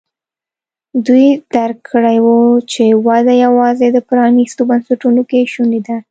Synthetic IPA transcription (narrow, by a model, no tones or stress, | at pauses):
d̪ujd̪̥aɾkʰːəɽajwət͡ʃewad̪ajawɑzed̪əpɾɑnist̪obansaʈunokeʃunid̪a